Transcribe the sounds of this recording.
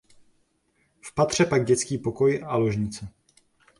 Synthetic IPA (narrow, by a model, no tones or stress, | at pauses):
fpat̪r̝̥ɛpaɡ̚ɟɛt͡skiːpo̞ko̞jalo̞ʒɲɪt͡sɛ